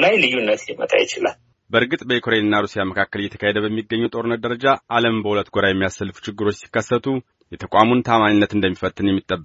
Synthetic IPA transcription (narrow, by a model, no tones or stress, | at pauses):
lajlɨjːunːət̪limə̰t̪ʼa̰jɪt͡ʃɪla̰l | bəɾɡɨt̪ʼbəjekʰoɾenɨnːaɾusijaməkʰakːəljːɛt̪ʰə̥kʰahed̪əbəmːiɡːəɲːɛt̪ʼo̞ɾɨnːət̪̚d̪əɾəd͡ʒaʔaləmbəhulət̪ːɡʷoɾajɛmːijasəlːfu̥t͡ʃɪɡːɨɾo̞t͡ʃːsi̥kːəsːət̪ʰu | jɛt̪ʰəkʼamunt̪ʰamaɲinːət̪ɨnd̪əmːifət̪ʼːɨnjɛmːit̪ʼːəbːə